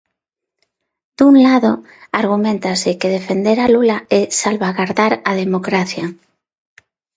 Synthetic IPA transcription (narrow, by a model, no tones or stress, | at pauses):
d̪̥unlaðo | aɾɣumẽnt̪asekeð̞efend̪eɾalulaesalβaɣaɾðaɾað̞emokɾaθja